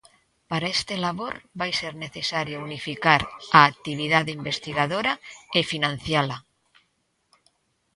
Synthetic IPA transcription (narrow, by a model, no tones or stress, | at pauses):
paɾaest̪elaβoɾβajseɾneθesaɾjounifikaɾaːk̚t̪iβ̞iðaðeimbest̪iɣaðoɾɐefinãn̟θjalɐ